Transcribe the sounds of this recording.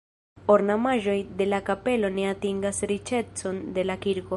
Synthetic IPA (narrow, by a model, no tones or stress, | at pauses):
o̞ɾnamaʒo̞jd̪e̞lakape̞lo̞ne̞atiŋɡasɾit͡ʃe̞t͡so̞nd̪e̞lakiɾko̞